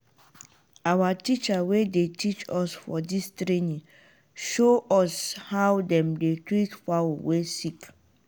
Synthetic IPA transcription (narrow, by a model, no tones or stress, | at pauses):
awatit͡ʃawedetʰit͡ʃɔsfɔ̰distɾenĩŋ | ʃoʔɔshawdɛ̃mdetɾitfawwesik